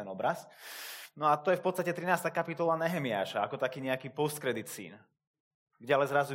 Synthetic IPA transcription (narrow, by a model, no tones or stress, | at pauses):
ɛnɔbɾas | nɔat̪ɔjɛfpɔt̪t͡sst̪acɛt̪ɾinaːst̪aːkapit̪ɔlˠanɛɦɛmia̰ːʃaakɔt̪akiːɲɛakiːpɔst̪̚kɾɛd̪it̪sḭːn | ɡɟɛalɛnzɾazu